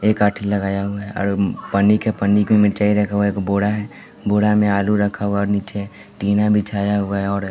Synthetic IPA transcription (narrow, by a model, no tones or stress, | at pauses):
eːkaːʈʰilɐɡaːjaɦʊaɛɔ̰ːɾpənikepənːikmẽmɪɾt͡ʃaːiɾɛkʰaɦuaeːkboːɽaɦɛ | boːɽamẽaːluɾɐkʰaɦuaɔːɾniːt͡ʃe | ʈiːnabʱit͡ʃʰaːjaɦuaɔːɾ